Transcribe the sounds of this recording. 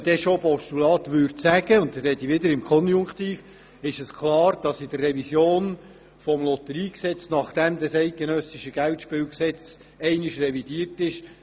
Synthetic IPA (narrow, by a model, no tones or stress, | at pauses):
d̥ɛʃopɔʃtulɑːt̪ʋʏɾtsæɡ̥əʊntəɾɛt̪iʋɪd̪əɾɪmkʰɔnjʊŋkt̪iːf | ɪʃəskʰlɑːɾd̥ɑsidərːɛʋisjoːn | fɔmlɔt̪əɾiːksɛt͡snɑχd̥̪ɛmd̪əsɛɪt̚ɡ̥enœsɪʃəɡ̥æwtʃpɪːwksɛt͡s | ɛɪnɪʃrɛvid̥iːərtɪʃ